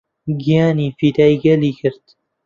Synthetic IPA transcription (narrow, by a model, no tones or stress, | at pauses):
ɡijaːniːfiːd̪aːjɡɐliːkʰɪɾt̪